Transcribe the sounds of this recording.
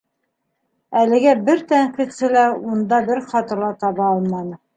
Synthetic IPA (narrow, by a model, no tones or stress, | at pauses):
ælɘ̆ɡæbɘɾt̪æɴqit̪sɘlæund̪ɑbɘɾχɑt̪ɤ̆ɾlˠɑt̪ɑβɑɑlˠmɑnɤ